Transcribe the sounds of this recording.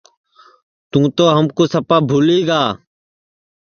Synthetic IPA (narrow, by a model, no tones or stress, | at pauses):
t̪ũːt̪oːɦəmkoːsəpaːbʱuːliːɡaː